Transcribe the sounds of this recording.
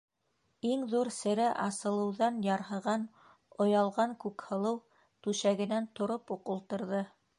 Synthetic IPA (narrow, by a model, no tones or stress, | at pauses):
iŋðuɾsɘ̆ɾæʔɑsɤ̆lˠɤ̆wðɑnjɑɾɦɤ̆ʁɑn | ŏjɑlˠʁɑŋkʉkhɤ̆lˠɤw | t̪ʉʃæɡɘ̆nænt̪ŏɾopuqulˠt̪ɤ̆ɾðɤ